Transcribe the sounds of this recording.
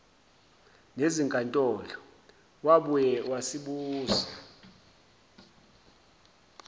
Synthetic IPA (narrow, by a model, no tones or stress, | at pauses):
neziŋkʼantʼɔːlɔ | waɓujɛwasiɓuːza